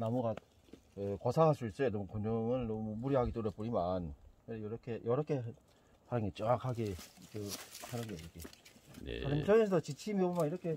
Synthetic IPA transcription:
namuɡa | kɯkʌsʰaŋɦasʰuis͈ɯenʌmukoɲd͡ʑʌŋɯɭnʌmumuɾiɦaɡit͈oɾep͈uɲimanɯejʌɾʌkʰejʌɾʌkʰe̞ | hanɯnɡet͡ɕ͈ʌŋakʰaɡekɯhaɾɯɡeiɾʌkʰḛ | kɯɾʌmt͡ɕʌnes̬ʰʌt͡ɕit͡ɕʰimobmaiɾʌkʰe̞

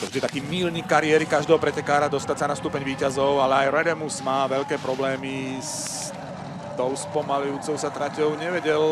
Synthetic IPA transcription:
t̪ɔvʒd̪it̪akiːmiːlɲikːaɾiɛɾikaʒd̪ɛːɦɔpɾɛcɛkaːɾad̪ɔst̪atsanast̪uːpɛɲʋiːcazɔʊalɛajɾɛd̪ɛmusmaːʋɛʎkɛːpɾɔblɛːmis | t̪ɔʊspɔmalujuːt͡sɔʊsat̪ɾacɔʊɲɛʋɛɟɛl

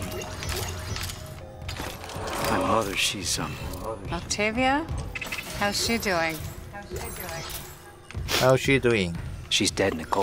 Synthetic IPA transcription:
əmʌðə˞ʃiz̥ə̰̃mnɔk̚tʰɪvjə | haz̥ʃiduːɪ̃ŋhidɪŋ | haʊʃiduːɪ̃ŋʃizdɛdɪ̃nəɡɔ

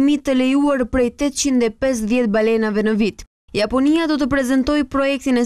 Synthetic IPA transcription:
mit̪əlɛjuaɾpɾɛjt̪ɛt̪t͡ɕind̪ɛpɛs̬ðjɛt̪balɛnavɛnəvit̪ | japɔniad̪ɔt̪̬əpɾɛzɛnt̪ɔjpɾɔjɛk̚t̪inɛ

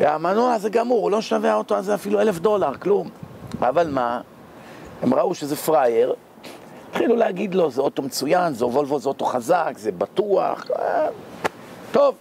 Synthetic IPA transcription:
vea̰manoaazeɡamuʁulo̞ʃave̞ao̞t̪oazeafilue̞le̞fd̪o̞laʁklumavalma | e̞mʁauʃezefʁajeʁ | t̪χilulehaɡid̪lo̞zeoto̞met͡sujanzeovolvozeoto̞χazakzebatua̰χ | t̪o̞v

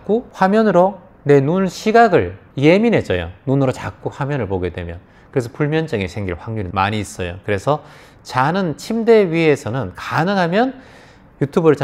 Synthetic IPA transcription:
k͈uɸwamjʌnɯɾo | ne̞nunɕʰiɡaɡɯɭje̞minɦe̞t͡ɕ͈ʌjo̰nunɯɾot͡ɕak͈uɸwamjʌnɯɭpoɡe̞dwe̞̰mjʌn | kɯɾe̞sʰʌpuɭmjʌnd͡ʑɯŋe̞sʰe̞ŋɡiɭɸwaŋɲuɾima̰ɲiːs͈ʌjokɯɾe̞sʰʌ | t͡ɕanɯnt͡ɕʰimde̞ɥie̞sʰʌnɯnkanɯŋɦamjʌn | jutʰubɯɾɯɭt͡ɕa

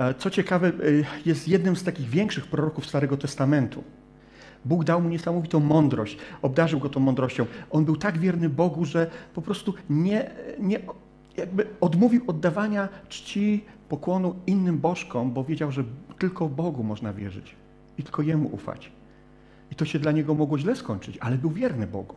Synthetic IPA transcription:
t̪sɔt͡ɕɛkavɛjɛst̪jɛd̪nɘmst̪akʲiɣvʲjɛŋkʂɘxpɾɔɾɔkufst̪aɾɛɡɔt̪ɛst̪amɛnt̪ṵ | buɡd̪awmuɲɛsamɔvʲit̪ɔ̃w̃mɔnd̪ɾɔɕt͡ɕɔb̚d̪aʐɘwɡɔt̪ɔ̃w̃mːɔnd̪ɾɔɕt͡ɕɔ̃w̃ʔɔnbɘwt̪aɡvʲjɛɾnɘbɔɡuʐɛpɔpɾɔst̪uɲɛɲɛ | jaɡ̚bɘɔd̪muvʲiwɔd̪ːavaɲat͡ʂt͡ɕipɔkwɔnuinːɘmbɔʂkɔmbɔvʲjed͡ʑawʐɛt̪ɘlkɔbɔɡumɔʐnavʲjɛ̰ʐɘ̰t͡ɕ | it̪ɘ̥lkʰɔjɛmṵʔṵfa̰t͡ɕ | it̪ɔɕɛd̪laɲɛɡɔmɔɡwɔʑlɛskɔɲʲt͡ʂɘt͡ɕalɛbɘwvʲjɛɾnɘbɔ̰ɡu

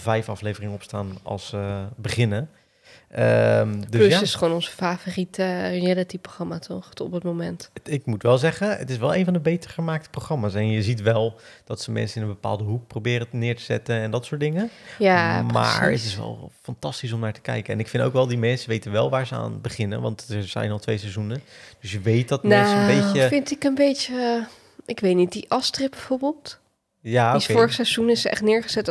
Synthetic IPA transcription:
vɛjfɑflejvərɪŋəɔpstaːnɑ̰lˠsəbəχɪnə | ʔəmdøsɪsχʋonɔnzəfaforitəjɛdətiproxrɑmatʰɔχtɔpətmomɛntɪk̚mutʋɛlˠzɛχənə̰tɪsʋɛlˠejnvɑndəbejtəɹχəmaːk̚təproxrɑmaːsɛnjəzitʋɛlˠ | d̥ɑtsəmɛ̰nsənɪnənbəpa̰ːlˠdəɦuk̚prowbɪːɾənɪːɹtə̥zɛ̰tənɛndɑtsʊːtdɪŋəjamma̰ːɹə̰tɪsʋɛ̰lˠfɑntɑstis̬ɔmnaːɹtə̥kɛ̰jkəɛ̰nɪkfɪndo̰wkʋɛlˠdimɛnsəʋejtənʋɛlˠʋaːɹzəa̰ːnbəχɪnə̰nʋɑ̰ntəzɛ̰jnɑlˠtʋejsɛzunəd̥ɵsjəʋejt̚dɑtmnasbejəfɪntɪkənbejtə | ʔɪkʋejtnit̚diʔɑstrɪp̚bɛvoːɹbɪːlˠt | jaoioɹəχsɛzunɪsəɛ̰χtnɪːɹχəz̥ɛt

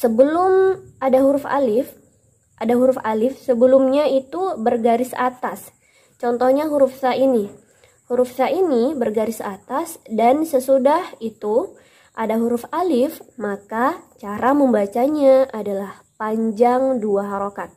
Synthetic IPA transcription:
səbəlʊmʔadaɦuɾʊfa̰lɪf | ʔadaɦuɾʊfalɪfsəbəlumɲait̪ubərɡaɾɪsa̰t̪as | t͡ʃɔnt̪ɔhɲaɦuɾufsaini | huɾufsaʔinibərɡaɾɪsat̪asdansəsudahit̪u | ʔadaɦuɾʊfalɪfmakat͡ʃaɾaməmbat͡ʃaɲaʔadalah | paɲd͡ʒaŋduaɦaɾokat̪̚

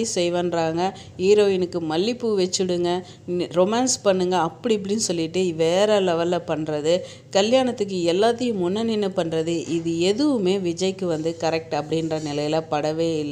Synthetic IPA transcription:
isɛjʋɐnɾaːŋɡɐ | hiːɾoːʋɪnɯkːɯmɐlːɪpːɯʋɛt͡ʃːɪɽɯŋɡɐ | ɾɔmaːnspɐɳːɯŋɡɐːpːɐɽip̬ːɐɽinːɯsɔlːɪʈːɯʋeːɾɐlɐʋɐlːɐpɐɳːɾɐðɯ | kɐljaːnɐt̪ːɯk̬ːɯɛlːaːt̪ːɐjɯ̃mːʊnːɐnɪnːɯpɐɳɾɐðɯʔɪðɯɛðɯʋɯmeːʋɪd͡ʒɐjkːɯʋɐnd̪ɯkɐɾɛk̚ʈɐpːɐɽɪndrɐnɪlɐjɪlɐpɐɽɐʋeːɪlː

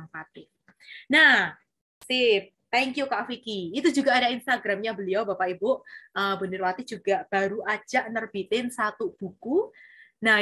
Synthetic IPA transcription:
aŋpat̪ɪ | nah | sip̚ | t̪ɛŋkjukaʔfikiːt̪ud͡ʒuɡaːdainst̪aɡɾamɲabəliawbapaibʊʔəbənɪrwat̪id͡ʒuɡaʔb̥aɾuʔḁd͡ʒaʔnərb̥it̪ɪnsat̪ub̥ukuna

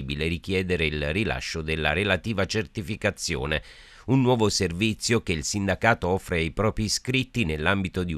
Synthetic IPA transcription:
ibileɾik̟jɛːd̪eɾeilrila̰ʃːod̪elːa̰ɾelat̪iːvat͡ʃert̪ifikat̪sːjo̰ːne | unːwɔːvoservit̪sːjokeilsind̪akaːt̪oɔfːɾeajpɾɔːpɾiskɾit̪ːinelːambit̪od̪i

